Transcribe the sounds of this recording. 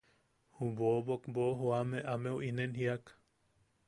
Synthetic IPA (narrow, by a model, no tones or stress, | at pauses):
hubobokboɦuameʔamewʔinenhiak